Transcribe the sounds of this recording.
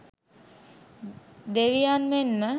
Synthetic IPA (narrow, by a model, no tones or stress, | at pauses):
d̪eʋijanmenmə